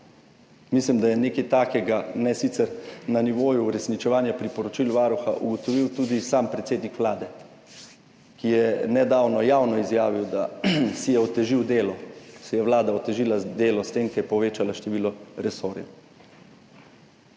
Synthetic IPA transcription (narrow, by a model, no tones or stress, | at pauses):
mislimd̪ajɛneːkɛjt̪aːkɛɡanɛsit̪sɛɾnaniʋoːjuːɾɛsnit͡ʃɛʋaːnjapɾipɔɾɔt͡ʃilʋaːɾuxa̰ʔṵɡɔt̪ɔʋiwt̪uːd̪isampɾɛt̪seːd̪nikʋlaːd̪ɛ | kijɛnɛd̪aːwnɔjaːwnɔizjaːʋiwd̪asijɛɔt̪ɛʒiwd̪eːlɔsɛjɛʋlaːd̪aɔt̪ɛʒiːlad̪eːlɔst̪eːmkɛjɛpɔʋeːt͡ʃalaʃt̪ɛʋiːlɔɾɛsoːɾjɛ̰